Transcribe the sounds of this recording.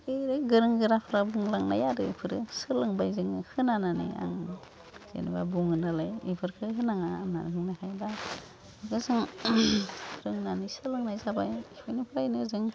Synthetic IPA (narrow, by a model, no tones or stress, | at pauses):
ɯjɾɯɡɯɾɯŋɡɯɾapʰɯɾabuŋlaŋna̰jaɾɯpʰɯɾɯ̰sɯlɯŋbajzɯŋhʰɯnananḭa̰ŋ | z̥ḛnḭbabuŋɯnalajḭpʰɯɾkʰɯhɯnaŋaːna̰nhɯŋnakʰajba | ɡɯzɯŋʰ | ɾɯŋnanisɯlɯŋnajzabajʰipʰajnipʰɯɾajnɯzɯŋ